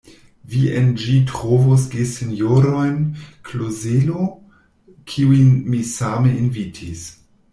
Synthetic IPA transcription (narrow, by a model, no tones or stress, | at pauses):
viend͡ʒitʁovos̬ɡesenjoɾojnkʰlozelo | kʰiujnmisameinvitʰis